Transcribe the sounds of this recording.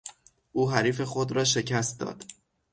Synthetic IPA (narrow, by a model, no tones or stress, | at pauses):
ʔuːɦæɾiːfe̞xod̪ɾɒːʃe̞cʰæst̪̚d̪ɒ̰ːd̪̥